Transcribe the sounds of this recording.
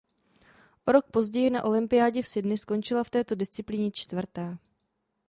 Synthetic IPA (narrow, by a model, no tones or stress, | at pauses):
ʔoɾo̞k̚po̞zɟɛjɪnaʔo̞lɪmpɪjaːɟɛfsɪdnɪsko̞nt͡ʃɪlaft̪ɛːt̪o̞dɪst͡sɪpliːɲɛt͡ʃt̪vr̩t̪ɛː